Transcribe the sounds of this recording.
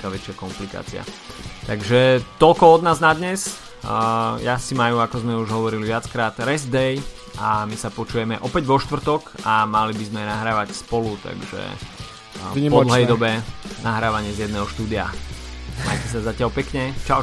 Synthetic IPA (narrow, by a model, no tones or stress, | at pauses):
kaːʋɛt͡ʃɪakɔmplika̰ːt͡sia̰t̪aɡʒɛt̪ɔlkɔɔd̪naːznad̪ɲɛs | jasimajuakɔzmɛuʒɦɔʋɔɾiliʋɪat͡skɾaːt̪ɾɛzd̪ɛj | amisapɔt͡ʃuːjɛmɛʔɔpɛɟʋɔʃt̪ʋr̩t̪ɔkamalibizmɛnaɦɾaːʋacspɔlut̪a̰ɡʒɛ̰ | pɔd̪l̩ɦɛjd̪ɔbɛnaɦɾaːʋaɲɪɛzjɛd̪nɛːɦɔʃt̪uːd̪ia̰ | ma̰jcɛsazacɪalpɛkɲɛt͡ʃaʊ